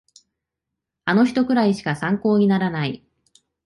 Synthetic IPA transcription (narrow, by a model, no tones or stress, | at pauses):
ano̞çi̥t̪o̞kɯ̟ɾaiɕi̥kasãŋko̞ːɲ̟inaɾanai